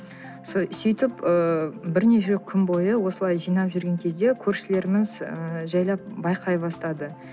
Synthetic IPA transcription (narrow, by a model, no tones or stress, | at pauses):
ssʏjt̪ɪpəbɪɾne̞ʃekʲʰʏnbo̞jəwo̞səlˠɑjʒijnɑpʒʏɾɡʲe̞ŋkʲʰe̞zd̪e̞kʲʰɵɾʃɪle̞ɾɪmɪzəʒɑjlˠɑp̚bɑjqʰɑjbɑst̪ɑd̪ə